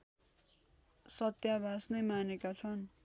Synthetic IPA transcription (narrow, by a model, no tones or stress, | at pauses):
sʌt̪jabʱasnʌjmanekat͡sʰʌn